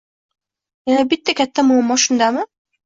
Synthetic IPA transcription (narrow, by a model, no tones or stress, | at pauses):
janabɪt̪ːakʲʰat̪ʰːamomːɒʃʊnd̪amɪ